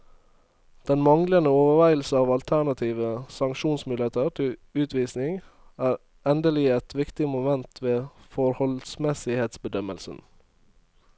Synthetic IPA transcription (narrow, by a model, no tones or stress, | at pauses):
d̪̥ɛnmɑŋlənəoːʋəʋæɪl̩s̩ɑːʋɑlt̪ʰæɳɑt̪ʰiːʋəsɑŋkʃuːnsmʉlət̪əɾt̪ʰɪlʉːt̪ʋiːsnɪŋ | æːɾ | ʔɛnd̪əliːəɛt̪ʋɪkt̪ɪmʊmɛnt̪ʰʋeːfɔɾhɔlsmɛsɪheːt̪sbəd̪œmə̰lsə̰n̩